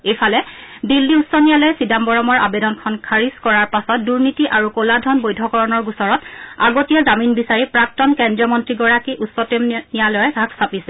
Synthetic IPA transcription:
ejpʰalɛ | dilːiutsːɔnijalɔɛsidambɔɹɔmɔɹa̰bedɔnkʰɔnkʰaɹiskɔɹaɹpasɔt̚duɹnitiʔaɹukoladʱɔnbojdʱɔkɔɹɔnɔɹɡusɔɹɔta̰ɡotijazaminbisaɹipɹak̚tɔnkɛndɹɔmɔntɹiɡɔɹakiʔusːɔtemnijalɔjɛɡʱakʰsapisɛ

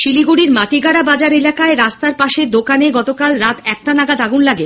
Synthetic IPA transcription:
ʃiliɡuɽiɾmaʈiɡaɽabad͡ʑaɾelakaeɾast̪aɾpaʃeɾd̪okaneɡɔt̪okalɾat̪ɛk̚ʈanaɡad̪aɡunlaɡe

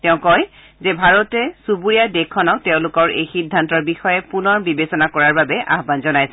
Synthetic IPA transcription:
tɛʊ̃kɔj | zɛbʱaɹɔtɛsubuɹijadekʰːɔnaʊtɛʊ̃lʊkɔɹejxidʱːantɔɹbixɔjɛpunɔɹbibesɔnakɔɹaɹbabɛʔa̰ɦbanzɔnajsɛ

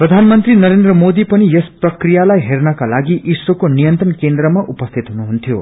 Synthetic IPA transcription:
prʌd̪ʱanmʌnt̪rinʌɾend̪rʌmod̪ipʌnijesprʌkrijalajɦernʌkalaɡiʔiswʌkonijʌnt̪rʌnkend̪rʌmaʔupʌst̪ʰit̪ɦunuɦunt̪ʰjo

